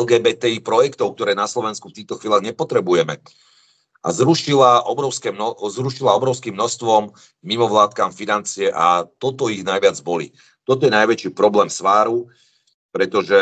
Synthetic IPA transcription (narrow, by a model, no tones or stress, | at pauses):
ɛlɡɛːbɛːt̪ɛipɾɔjɛkt̪ɔʊk̚t̪ɔɾɛːnaslɔʋɛnskuft̪iːxt̪ɔxʋilʲaɣɲɛpɔt̪ɾɛbujɛmɛ | ʔa̰zɾuʃilaɔbɾɔʊskɛːnɔzɾuʃilaɔbɾɔʊskiːmːnɔst̪ʋɔmː | imɔʋlaːt̪̚kaːmfinant͡siɛʔat̪ɔt̪ɔiɣnajʋɪad͡zbɔlḭ | t̪ɔt̪ɔjɛnajʋɛt͡ʃiːpɾɔblɛːmsʋaːɾu | pɾɛt̪ɔʒɛ